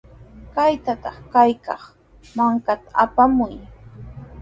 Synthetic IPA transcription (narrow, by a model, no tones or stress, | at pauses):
kajt̪at̪ɑχkajkɑχ | maŋkat̪aapamʊj